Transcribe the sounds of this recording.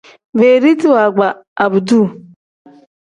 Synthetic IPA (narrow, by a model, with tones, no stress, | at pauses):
ve˨ɾi˦ti˦wa˨ɡ͡ba˨a˨bu˨du˦˨